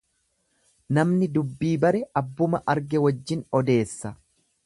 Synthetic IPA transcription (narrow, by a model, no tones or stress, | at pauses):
nɐmnɪd̪ʊbːiːbɐɾɛɐbːʊmɐʔɐɾɡɛwɐd͡ʒːɪnɔd̪e̞ːsːɐ